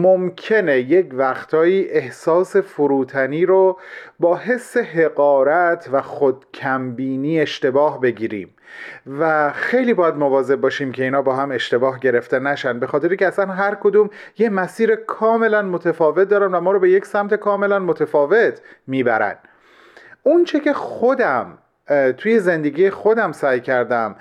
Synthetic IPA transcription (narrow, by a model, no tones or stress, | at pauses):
momcʰe̞nejecvæxt̪ʰɒːiːʔehsɒːse̞foɾuːt̪ʰæniːɾobɒːɦesːe̞ɦe̞ɣɒːɾæt̪ʰvæxod̪̥̚cʰæmbiːniːe̞ʃt̪e̞bɒːɦbe̞ɟiːɾḭːm | væxe̞jliːbɒːjæd̪movɒːze̞b̚bɒːʃiːmcʰe̞iːnhɒːbɒːɦæme̞ʃt̪e̞bɒːɦɟe̞ɾe̞ft̪enæʃænbe̞xɒːt̪ʰe̞ɾiŋkcʰʲeæsænɦæɾkʰo̞d̪uːm | jemæsiːɾekʰɒːme̞lænmot̪ʰefɒːve̞t̪̚d̪ɒːɾæmvæmɒːɾɔbe̞je̞cʰsæmt̪ʰe̞kʰɒːme̞lænmot̪ʰefɒːve̞t̪ʰmiːbæɾæ̰n | unt͡ʃʰe̞cʰe̞xχod̪æm | t̪ʰuːje̞ze̞nd̪e̞ɡiːjexod̪æmsæːjcʰæɾd̪æm